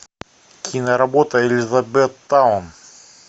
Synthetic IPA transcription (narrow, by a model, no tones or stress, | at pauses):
kʲinɐɾɐbot̪əelʲɪzɐbɛt̪ːaʊn